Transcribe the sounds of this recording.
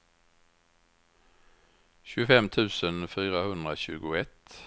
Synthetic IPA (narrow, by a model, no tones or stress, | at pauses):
çʉːəfɛmt̪ʰʉːsənfyːɾahɵnd̪ʁəɕʉːɡʊɛt̪